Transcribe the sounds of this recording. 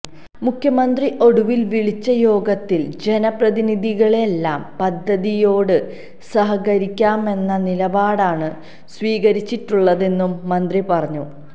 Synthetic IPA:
mukʰːjɐmɐnd̪riʔo̞ɽuʋilʋiɭit͡ɕːɐjo̞ːɡɐt̪ːild͡ʑe̞nɐprɐðiniðiɣɐɭelːaːmpɐd̪ʱːɐðijo̞ːɽɨ | sɐɦɐɣɐɾikʲːaːme̞nːɐnilɐbaːɽaːɳɨ | sʋiːɣɐɾit͡ɕːiʈːuɭːɐðe̞nːumːɐnd̪ripɐrɐɲːu

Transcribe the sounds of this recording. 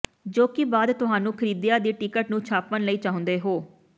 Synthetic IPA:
d͡ʒoːkɪbaːd̪t̪ʊɦaːnũːkʰəɾiːd̪jaːd̪iːʈikəʈnũːt͡ʃʰaːpːənləiːt͡ʃaːɦʊ̃nd̪eːɦoː

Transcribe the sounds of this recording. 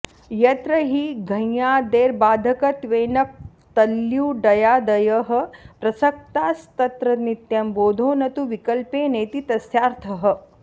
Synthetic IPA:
jɐt̪ɾɐɦiɡʱɐ̃jjaːd̪eːɾbaːd̪ʱɐkɐt̪ʋeːnɐk̚ | t̪ɐljuːɖɐjaːd̪ɐjɐɦɐ̆pɾɐsɐk̚t̪aːst̪ɐt̪ɾɐnit̪jɐmboːd̪ʱoːnɐt̪uʋikɐlpeːneːt̪it̪ɐsjaːɾt̪ʰɐɦɐ̆

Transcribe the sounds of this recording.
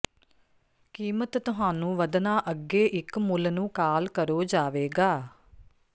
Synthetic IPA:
kiːmət̪ːʊɦaːnũːʋəd̪naːʔəɡːeːʔɪkmʊlnũːkaːlkəɾoːd͡ʒaːʋeːɡaː

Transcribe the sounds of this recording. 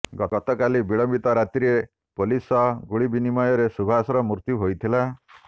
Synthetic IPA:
ɡɔɔt̪ɔkalibiɭɔmbit̪ɔɾat̪ɾie | polisɔɡuɽibinimɔjɔɾesubʱasɔɾɔmuɾt̪juɦojt̪ʰila

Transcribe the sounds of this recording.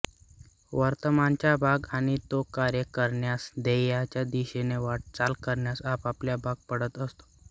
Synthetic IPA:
ʋəɾt̪əmant͡ɕjabʱaɡaɽ̃it̪okaɾjəkəɾɳjasd̪ejat͡ɕjad̪iɕeneʋaʈ̚t͡salkəɾɳjasapapljabʱaɡ̚pəɽət̪əst̪o̥

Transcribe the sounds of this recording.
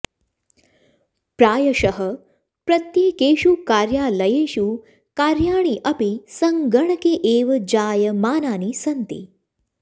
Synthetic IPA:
pɾaːjɐʃɐɦə | pɾɐt̪jeːkeːʃuːkaːɾjaːlɐjeːʃuː | kaːɾjaːɳ̃iʔɐpisɐŋɡɐɳɐkeːʔeːʋɐd͡ʑaːjəmaːnaːnisɐnt̪ḭ

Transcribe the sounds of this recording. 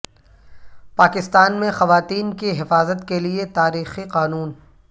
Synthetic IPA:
paːkɪst̪aːnmẽxɐʋaːt̪iːnkiɦɪfaːzət̪keliet̪aːɾiːxiqaːnuːn

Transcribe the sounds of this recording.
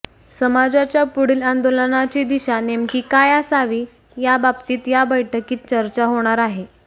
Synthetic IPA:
səmad͡zat͡ɕjapuɽiːland̪olənat͡ɕiːd̪iɕanemkiːkajasaʋiː | jababt̪iːt̪jabəjʈʰəkiːt̪̚t͡ɕəɾt͡ɕaɦoɽ̃aɾaɦe

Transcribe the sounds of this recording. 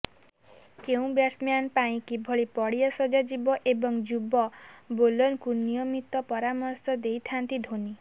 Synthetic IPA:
keũbjaɾsmjanpaĩkibʱɔɭipɔɽijɔsɔd͡ʒad͡ʒibɔʔebɔŋd͡ʒubɔbolɔnkunijɔmit̪ɔpɔɾamɔɾsɔd̪ejt̪ʰant̪id̪ʱoni

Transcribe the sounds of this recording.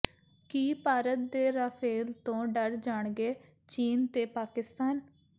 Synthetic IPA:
kiːpaːɾət̪̚d̪eːɾaːpʰeːlt̪õːɖəɾd͡ʒaːɳɡeː | t͡ʃiːnt̪eːpaːkɪst̪aːn

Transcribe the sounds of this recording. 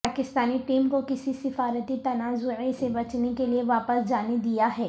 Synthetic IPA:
paːkɪst̪aːniʈiːmkokɪsisɪfaːɾət̪it̪ɐnaːzʊʕesebɐt͡ʃnekelieʋaːpəsd͡ʒaːned̪ijaɦɛː

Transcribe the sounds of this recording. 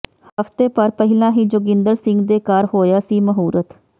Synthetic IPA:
həft̪eːpəɾpəɦɪlãːɦiːd͡ʒoːɡɪ̃nd̪əɾsɪŋɡd̪eːkaːɾhoːjaːsiːməɦuːɾət̪

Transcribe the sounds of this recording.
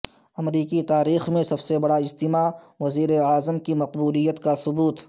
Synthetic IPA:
ɐmɾiːkit̪aːɾiːxmẽsɐbsebɐɽaɪd͡ʒt̪ɪma | ʋɐziːɾeaːzəmkimɐqbuːlijət̪kasʊbuːt̪

